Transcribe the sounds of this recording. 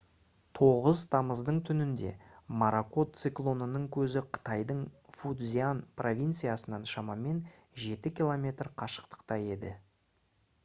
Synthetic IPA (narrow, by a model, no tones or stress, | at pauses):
t̪ʰo̞ʁəzt̪ʰɑməzd̪əɴt̪ʰʏnɪnd̪e̞̰ | maɾako̞t̪sɨklˠo̞nənəɴkʲʰɵzɪqʰə̥t̪ɑjd̪əɴfud̪zʲianpro̞vʲijnt̪sɨjasənɑnʃɑmɑme̞n | ʒe̞t̪ɪkʲilˠo̞mʲe̞t̪rqʰɑʃə̥qt̪ə̥qt̪ɑje̞d̪ɪ